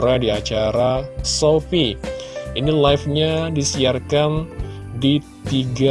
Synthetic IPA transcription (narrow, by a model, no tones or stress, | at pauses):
ɾadiat͡ʃaɾasofiʔinilajfɲadisiarkan | di | t̪iɡa